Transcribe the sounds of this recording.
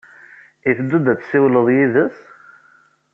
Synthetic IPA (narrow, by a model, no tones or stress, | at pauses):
iθəd̪ːud̪æt͡sːsiwləðˤjiðəs